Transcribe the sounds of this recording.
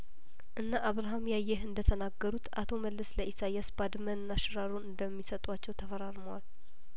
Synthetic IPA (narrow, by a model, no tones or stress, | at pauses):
ʔɨnːaʔaβɾaɦamjajːɛɦɨnd̪ət̪ʰənaɡːəɾut̪ʔa̰t̪ʰo̞məlːəsləʔisajasbad̪mənnːaʃɨɾaɾunɨnd̪əmːisət̪ʼwat͡ʃːɛwt̪ʰəfəɾaɾməwal